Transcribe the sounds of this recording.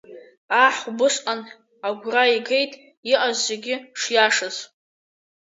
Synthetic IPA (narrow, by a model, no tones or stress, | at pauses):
aħbɨsʼqan | aɡʷraiɡejtʼ | iʔʼazːeɡʲɪʂjaʂaz